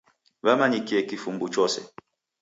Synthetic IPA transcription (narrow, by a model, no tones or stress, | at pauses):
βamaɲikiɛkifumbut͡ʃɔsɛ̰